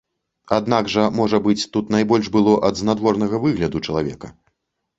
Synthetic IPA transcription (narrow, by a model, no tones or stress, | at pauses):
ad̪naɡʐɐmɔʐɐbɨt͡sʲt̪ut̪najbɔlʲʐbɨlˠɔʔɐd̪znad̪vɔrnɐɣɐvɨɣlʲɐd̪ut͡ʂɐlˠavʲɛ̰kɐ